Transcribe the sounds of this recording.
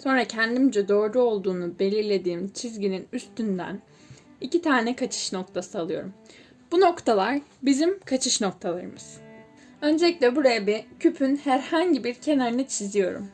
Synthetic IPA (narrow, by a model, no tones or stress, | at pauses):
so̞nɾacʰænd̪imd͡ʒɛd̪o̞ːɾɾuo̞lˠd̪uːnube̞lʲiɾlʲe̞d̪iːmt͡ʃʰizɟininyst̪ʰynd̪æ̰n | icit̪ʰaːnɛkʰat͡ʃʰɯ̥ʃno̞k̚t̪ʰasɯalˠɯjo̞̰ɾum | b̥uno̞kt̪ʰalˠaɾbizimkʰat͡ʃʰɯʃno̞k̚t̪ʰalˠaɾɯmɯz̥ | ø̞nd͡ʒɛlʲic̚lʲɛbuɾajabicʰypʰynhæɾhaɲɟibiɾcʰe̞naɾɯnɯt͡ʃʰizijo̞ɾṵm